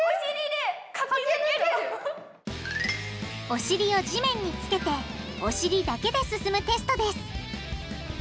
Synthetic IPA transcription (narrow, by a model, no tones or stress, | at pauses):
ɾid̪eka | o̞ɕiɾʲio̞d͡ʑimẽ̞ɲ̟ːit͡sɨ̥ke̞t̪e̞o̞ɕiɾʲid̪ake̞d̪e̞sɨsɨmɯ̟t̪e̞sɨ̥t̪o̞d̪e̞sɨ̥